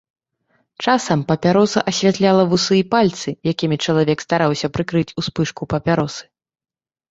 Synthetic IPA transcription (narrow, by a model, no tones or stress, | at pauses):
t͡ʂasɐmpɐpʲaɾɔsɐ̰ʔɐsʲvʲat̪lʲalˠɐvusɨipalʲt̪sɨjakʲimʲit͡ʂɐlˠavʲɛkst̪aɾawsʲɐpɾɨkɾɨt͡sʲuspɨʂkupɐpʲaɾɔsɨ̥